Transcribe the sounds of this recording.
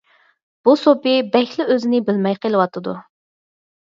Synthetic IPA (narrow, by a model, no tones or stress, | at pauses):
b̥usopɪbɛkʲlɪøzɪnɪbɪlmɛjqelˠɨwɑt̪ʰɨd̪u